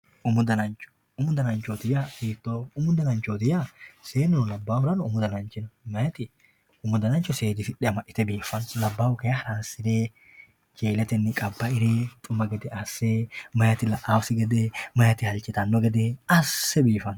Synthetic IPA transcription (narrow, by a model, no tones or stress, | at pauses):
ʔʊmʊd̪ɐnɐnt͡ʃʊ̥ | ʊmʊd̪ɐnɐnt͡ʃoːt̪ɪjafiːt̪ːoːʊmʊd̪ɐnɐnt͡ʃoːt̪ɪjaseːnʊnʊlɐbːaːwʊɾɐnʊʊmʊd̪ɐnɐnt͡ʃɪnɐmɐjɐt̪ɪ | ʊmʊd̪ɐnɐnt͡ʃːɔseːd̪ɪfɪᶑɛɐmɐʔɪ̥t̪ɛbiːfɐnlɐbːaːʊkɐjɐhɾaːsɪd̪eː | t͡ʃeːlɛt̪ɛnːɪkʼɐbːɐɪɾeːt̪ʼʊmːɐɡɐd̪ɛʔɐsːeːmɐjɐt̪ɪlɐʔaːwsɪɡɐd̪eːmɐjɐt̪ɪhɐlt͡ʃʼɪt̪ɐnːɔɡɐd̪eːɐsːɛbiːfɐn